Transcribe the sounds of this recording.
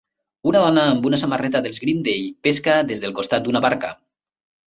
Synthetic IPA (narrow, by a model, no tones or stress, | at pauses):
unaðɔnaːmbunasamarɛt̪aðelˠzɣɾind̪ejpeskaðezðelˠkost̪at̪̚d̪unaβaɾka